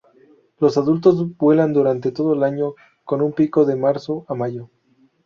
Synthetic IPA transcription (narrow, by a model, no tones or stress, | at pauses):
lo̞saðult̪o̞zbwe̞land̪uɾant̪e̞t̪o̞ð̞oelaɲo̞ | ko̞numpiko̞ðemaɾsoʔamaʝo